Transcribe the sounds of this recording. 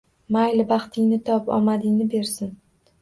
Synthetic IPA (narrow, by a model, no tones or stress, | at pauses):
majlɪbɑχt̪ʰɪŋnɪt̪ʰɒpɒ̰mad̪ɪŋnɪbe̞ɾsɪn